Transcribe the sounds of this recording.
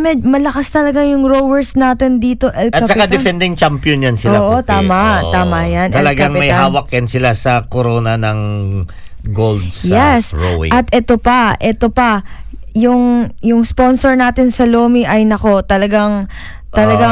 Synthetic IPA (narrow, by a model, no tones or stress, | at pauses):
mɛmɐlɐkast̪ɐlɐɡaŋjʊŋɹowɛɹsnaːt̪ɪnd̪iːt̪o̞ʔɛlkɐapt͡ʃɐkad̪ɛfɛnd̪ɪŋt͡ʃampjonjɐnsɪoaːʔot̪aːmɐʔt̪aːmɐjanʔ̪ɐlɐɡkaŋmɐjɦaːwɐk̚jɐnsɪlasɐkoɾoːnɐnɐŋ | ɡold̪sjɛsoɪ̰ʔɐt̪̚ʔɛt̪opɐʔɛt̪o̞pɐ | jʊŋjʊŋspo̞nsoɹnaːt̪ɪnsɐloːmiʔɐjnɐko̞t̪ɐlɐɡaŋ | t̪ɐlɐɡa